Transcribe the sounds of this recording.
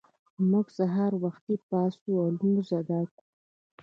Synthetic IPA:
muɡsaɦɑɾwaxt̪ipɑsualumuzad̪ɑku̥

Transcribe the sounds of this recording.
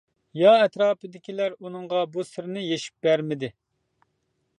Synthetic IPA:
jɑɛt̪ɾɑːpɨd̪ɪkʲʰilæɾunɨŋʁɑbusɪɾnɪjeʃi̥p̚bæɾmɪd̪ɪ

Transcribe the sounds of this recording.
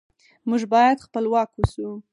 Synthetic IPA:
muʒbɑjad̪xpəlwɑkwusu

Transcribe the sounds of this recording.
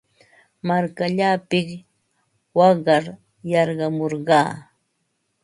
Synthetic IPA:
maɾkaʎaːpɪk | wɑɢɑɾ | jɑɾɢɑmoɾɢɑː

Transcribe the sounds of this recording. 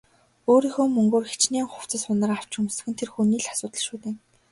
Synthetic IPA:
oːɾiːxoːmɵŋɡoːrxet͡ɕneːŋχʊw̥t͡sə̆sʊnə̆raw̥t͡ɕɵmsɘ̆xɘ̆nt̪ʰerxuniːɮḁsʊːt̪ə̆ɮʃuːt̪eː

